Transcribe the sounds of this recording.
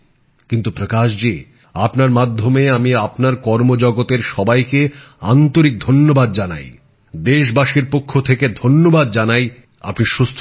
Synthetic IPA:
kint̪upɾokaʃd͡ʑe | apnaɾmad̪ʱːomeamiapnaɾkɔɾmod͡ʑɔɡot̪eɾʃɔbajke | a̰nt̪oɾik̚d̪ʱonːobad̪d͡ʑana̰j | d̪eʃbaʃiɾpokʰːot̪ʰeked̪ʱonːobad̪d͡ʑanaj | a̰pniʃust̪ʰ

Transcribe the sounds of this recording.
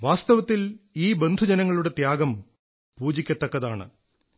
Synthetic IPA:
ʋaːst̪ɐʋɐt̪ːiliːbe̞nd̪ʱud͡ʑɐnɐŋːɐɭuɽe̞t̪jaːɡɐm | puːd͡ʑikʲːɐt̪ːɐkːɐðaːɳɨ̰

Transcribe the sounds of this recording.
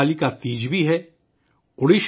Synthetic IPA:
likat̪iːd͡ʒbʱiɦɛː | ʊɽiʃ

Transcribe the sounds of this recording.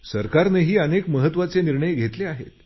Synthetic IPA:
səɾkaɾneɦiːənekməɦət̪ːʋat͡seniɾɳəjɡʱet̪leaɦet̪

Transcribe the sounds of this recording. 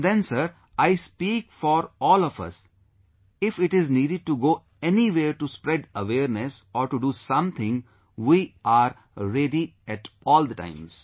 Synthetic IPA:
d̪ɛ̃nsəɾ | aɪspiːkfɔːɾɔːlɔfʌ̰s | ɪfɪʈɪzniːɖɪɖ̚ʈuɡoː | ɛniʋeːɾʈuspɾɛɖəʋeːɾnesɔːɾʈuɖuːsʌ̃mt̪ʰɪ̃ŋ | ʋiːaːɾ | ɾeɖiɛʈɔːld̪əʈã̰ɪ̃mz̥

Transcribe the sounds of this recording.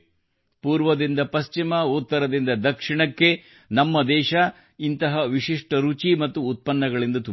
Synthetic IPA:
puːɾʋɐd̪ind̪ɐpɐst͡ʃimɐot̪ːɐɾɐd̪ind̪ɐd̪ɐkʂiɳɐkːe̞ | nɐmːɐd̪ɛːʃɐ | int̪ɐɦɐʋiʂiʂʈɐɾut͡ʃimɐt̪ːuːt̪̚pɐnːɐɡɐɭind̪ɐt̪u

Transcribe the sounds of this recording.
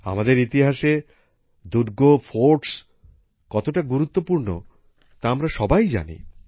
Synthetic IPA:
a̰mad̪eɾit̪iɦaʃe | d̪uɾɡofoɾʈs | kɔt̪oʈaɡuɾut̪ːopuɾno̰ | t̪aamɾaʃɔbajd͡ʑa̰nḭ

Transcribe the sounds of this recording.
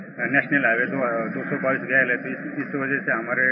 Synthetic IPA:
nɛɕnelaʋet̪od̪osobaʋiːsɡʱjajləet̪oisisʋəd͡ʒəseɦəm̤aɾe

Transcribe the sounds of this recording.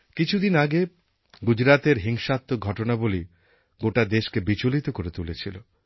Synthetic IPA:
kit͡ɕʰud̪inaɡe | ɡud͡ʑɾat̪eɾɦiŋʃat̪ːoɡʱɔʈonaboli | ɡoʈad̪eʃkebit͡ɕolit̪okoɾet̪ulet͡ɕʰilo

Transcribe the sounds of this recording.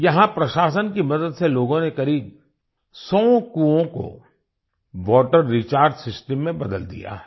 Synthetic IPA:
jɐɦãpɾɐʃaːsənkimɐd̪əd̪seloːɡõnekɐɾiːb̚ | sɔːkuõko̰ | ʋɔːʈəɾːit͡ʃaːɾɖsɪsʈəmːẽbɐd̪əld̪ḭja̰ɦɛ

